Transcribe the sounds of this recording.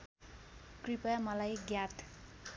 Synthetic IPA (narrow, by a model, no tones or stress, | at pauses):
kripajmʌlajɡjat̪ʰ